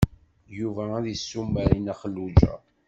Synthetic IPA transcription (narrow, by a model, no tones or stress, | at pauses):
juvææðəsːumːæɾinæχəlːud͡ʒæ̰